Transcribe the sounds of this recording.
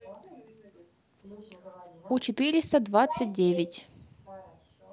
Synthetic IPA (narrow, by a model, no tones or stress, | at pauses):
ut͡ɕɪt̪ɨɾʲɪst̪əd̪vat̪sɨt̚ʲdʲevʲɪtʲ